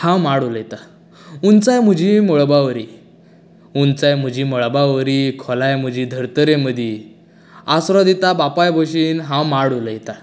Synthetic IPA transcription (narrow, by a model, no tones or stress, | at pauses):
hãmaɽuləjt̪a | unt͡sajm̤əd͡ʑʱimɔɭbaʋəɾi | unt͡sajm̤əd͡ʑimɔɭbaʋəɾikʰɔlajm̤əd͡ʑiːd̪ʱəɾt̪əɾeməd̪ʱji | asɾɔd̪it̪abapajbʱoɕiːnɦãmaɽuləjt̪a